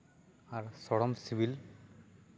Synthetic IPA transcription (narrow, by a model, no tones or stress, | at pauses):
aɾsɔɽɔmsiʋil